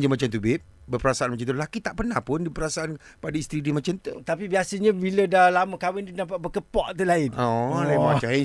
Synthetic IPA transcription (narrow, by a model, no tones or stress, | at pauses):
d͡ʒəmat͡ʃamt̪ubɪʔ̚ | bəpəɾasaanmat͡ʃamt̪ulakit̪aʔpərnahpʊndipəɾasaʔanpadaist̪ɾidimat͡ʃamt̪ṵt̪apibiasəɲabilədalaməkawɪnd̪unap̬aʔbəkəpɔʔt̪ulaɪnɔlamãt͡ʃa